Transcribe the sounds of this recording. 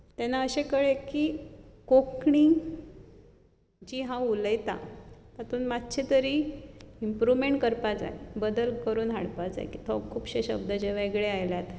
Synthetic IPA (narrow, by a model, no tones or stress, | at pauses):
t̪ɛnaəɕekəɭekiːkokɳiŋɡ | d͡ʑiːɦãuləjt̪a̰t̪at̪ʰuːnmat̪t͡ɕʰet̪əɾiːimpɾuʋmeɳʈkəɾpad͡za̰jbəd̪əlkəɾuːnɦaɽpad͡za̰jkit̪ʰɔkʰːuːpɕeɕə̰b̚d̪əd͡ʑeʋ̤aeɡɭeajljat̪